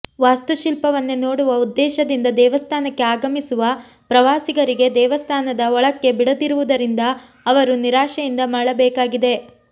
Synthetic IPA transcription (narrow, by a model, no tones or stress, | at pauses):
ʋaːst̪uʃilpɐʋɐnːeno̞ːɽuʋɐud̪ːɛːʃɐd̪ind̪ɐd̪ɛːʋɐst̪ʰaːnɐkːe̞aːɡɐmisuʋɐpɾɐʋaːsiɡɐɾiɡe̞d̪ɛːʋɐst̪ʰaːnɐd̪ɐɔɭɐkːe̞biɽɐd̪iɾuʋud̪ɐɾind̪ɐː | ʋɐɾuniɾaːʃɐjind̪ɐmaːɭɐbɛːkaːɡid̪e̞